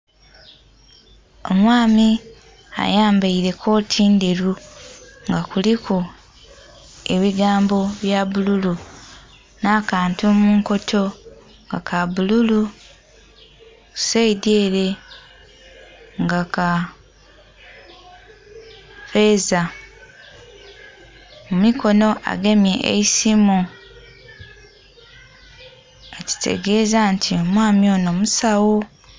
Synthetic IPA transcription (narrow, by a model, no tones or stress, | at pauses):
o̰mwaːmi | a̰jaːmbaiɾe̞kʰo̞ːtʰiːnde̞ɾu | ŋɡakulikʰu | e̞βiɡaːmbo̞βjaβululu | naːkaːntumuːŋko̞tʰo̞ | ŋɡa̰kʰaβululu | seideːɾe̞ | ŋɡaka | fe̞za | mumikʰo̞no̞ʔa̰ɡe̞mje̞ʔḛisimu | eci̥tʰe̞̰ɡe̞ːzantʰio̞mwaːmio̞ːno̞musawo